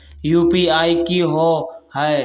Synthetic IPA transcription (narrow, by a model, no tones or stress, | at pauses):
juːpiːaːikiːɦoːhae